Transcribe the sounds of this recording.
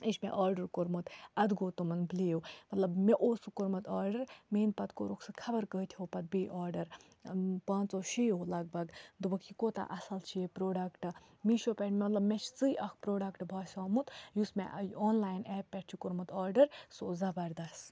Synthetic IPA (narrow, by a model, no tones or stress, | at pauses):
eʃmḛʔaːɾɖɐɾkoɾmut̪ɐd̪ɡoːt̪umɐnbliːwmɐt̪lɐbmeʔoːsukoɾmɐt̪aːɾɖɐɾmeːnpɐt̪koɾoksɨkʰɐbɐɾkəit̪ʰioːpɐt̪̚beːʔaːɾɖɐɾ | pãːnt͡soːʃiːjɦolɐɡ̚bɐɡd̪ubɐkʰikot̪a̰ʔɐsɐlt͡ʃʰiepɾoːɖɐkʈɨ | miʃopʲɛʈʰmmɐt̪lɐbmet͡ʃʰt͡sɨjʔɐkʰpɾoːɖɐkʈbʱɐːsaːmut̪jusmḛʔjoːnlaːjnɛːpːɛʈʰt͡ʃʰikoɾmut̪ʰaːɾɖɐɾsoːzɐbɐɾd̪ɐs